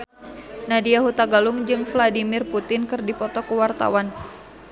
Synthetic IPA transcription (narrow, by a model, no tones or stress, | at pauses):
nadiaɦut̪aɡaluŋd͡ʒɨŋfladimɪrput̪ɪnkɨrdipɔt̪ɔkuwart̪a̰wan